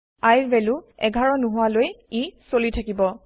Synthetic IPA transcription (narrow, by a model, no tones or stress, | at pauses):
ajɹbɛluɛ̰ɡʱaɹɔnuɦʊwalojisolitʰakibɔ